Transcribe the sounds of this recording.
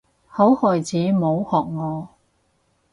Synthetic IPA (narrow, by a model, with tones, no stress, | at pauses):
ho˨˥whɔː˨jt͡sʰiː˨˥mo˨˧whɔː˨˩k̚ŋɔː˨˧